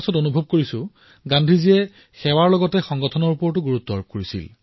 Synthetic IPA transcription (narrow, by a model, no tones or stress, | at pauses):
sɔtonubʱob̚koɹisʊ̃ | ɡãndʱiziɛ | xɛwaɹlɔɡɔtɛxɔŋɡɔtʰɔnɔɹupɔɹtuɡuɹutːɔ̰ɹb̚koɹisḭl